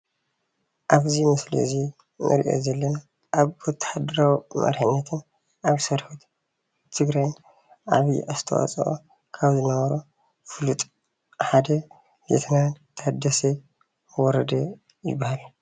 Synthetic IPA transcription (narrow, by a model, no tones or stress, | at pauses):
ʔaβzimɨslḭzi | nʔɨ̰ɾiʔo̞̰zɐlːɐna | ʔːβɔt̪ʰːɐ̥ħad̪ɐɾawimʔɐ̰ɾħɨnːɐt̪ʰɨn | ʔaβsɐɾħut̪ | bt̪ʰɨɡɾajn | ʔa̰βiʔast̪ʰɐwa̰t͡sʼɐ̰ʔo̰ | kʰaβzɨnɐβɐɾo | fɨlut̪ʼ | ħad̪ɐ | bḛt̪ʰɐnant̪ʰɐhad̪ːɐse | wɔɾɐd̪ɐ | jɪ̰bːahal